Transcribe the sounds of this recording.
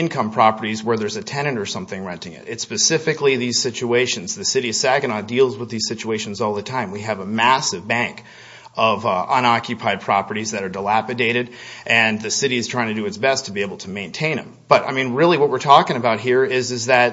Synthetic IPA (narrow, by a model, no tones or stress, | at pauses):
ɪ̃nkʰʌ̃mpʰɹ̥ɑpə˞ɾizwə˞ðə˞zɨtʰɛñɨ̃ntə˞sʌ̃mθɪ̃ŋɹɛ̃ntɪ̃ŋɪ̰ɾɨtspɨsɪfɨkliðiz̥sɪt͡ʃueɪʃɨ̃nzðɨsɪɾi̥sæɡɨ̃nɑdilˠzwəðiz̥sɪt͡ʃueɪʃn̩zɔlˠðɨtʰãɪ̃mwiɨvəmæsɨvbæ̃ŋk | ʌvʌ̃ñɑkʰjɨpʰaɪd̚pʰɹ̥ɑpə˞ɾizðɨɾə˞dəlæpɨdeɪɾɨɾʔɨ̃nðɨsɪɾiz̥tʰɹ̥aɪɪ̃ŋtʰɨdɨɨtsb̥ɛstʰəbieɪbl̩ˠtʰəmẽɪ̃ntʰẽɪ̃nɨ̰̃mb̥ʌɾa̰ɪmĩnɹɪlˠiwʌt̚wəɹtʰɔkɪ̃ŋɨbaʊt̚ɦiɹɪzɨzðɨt̚